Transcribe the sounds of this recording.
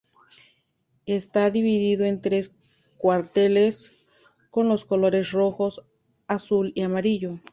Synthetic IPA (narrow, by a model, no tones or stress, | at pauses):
est̪aðiβiðiðoe̞nt̪ɾe̞s | kwaɾt̪e̞les | ko̞nlo̞sko̞loɾe̞sro̞xo̞s | asuliamaɾiʝo